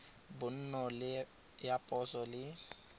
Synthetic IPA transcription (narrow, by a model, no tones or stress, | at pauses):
bʊn̩nɔlɪ | japʼɔsɔlɪ